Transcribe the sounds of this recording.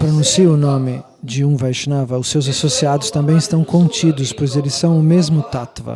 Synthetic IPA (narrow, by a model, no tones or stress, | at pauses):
pɾonũsiʊnõmɪ | d͡ʒɪũvajʃnavɐʊsːewzasosiad̪ʊst̪ɐ̃mbẽj̃ɪst̪ɐ̃w̃kõnt͡ʃid̪ʊspojzelɪsːɐ̃w̃ʊmezmʊt̪at̪vɐ̰